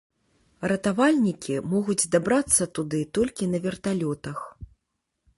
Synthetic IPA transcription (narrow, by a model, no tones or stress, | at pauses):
rɐt̪avalʲnʲikʲimɔɣud͡zʲzd̪abɾat̪sːɐt̪ud̪ɨt̪ɔlʲkʲinɐvʲɛrt̪alʲɔt̪ɐx